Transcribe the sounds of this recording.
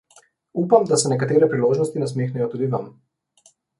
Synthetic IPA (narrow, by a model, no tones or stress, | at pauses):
uːpamd̪asɛnɛkat̪eːɾɛpɾiloːʒnɔst̪inɛs̬meːxnɛjɔt̪uːd̪iʋam